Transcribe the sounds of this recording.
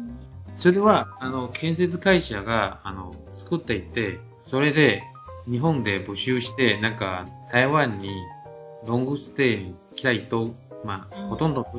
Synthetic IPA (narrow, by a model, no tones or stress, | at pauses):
soɾe̞βaːno̞kʰẽ̞ɰ̃se̞t͡sɨkaiɕaɡaːno̞̰ | t͡sɨ̥kɯt̪ːe̞it̪ːe̞ | so̞ɾe̞d̪e̞ | ɲ̟iɦõ̞nd̪e̞bo̟ɕɨːɕi̥t̪e̞nãŋkat̪ʰaiβãɲ̟ːi | ɾõ̞ŋɡɯ̟sɨ̥t̪e̞ːɲi | kʲi̥ɾait̪o̞ | mahot̪õ̞nd̪oo